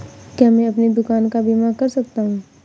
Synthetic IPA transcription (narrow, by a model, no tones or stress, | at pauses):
kjaːmɛ̃ɐpned̪ʊkaːnkabiːmakɐɾsɐk̚t̪aɦũː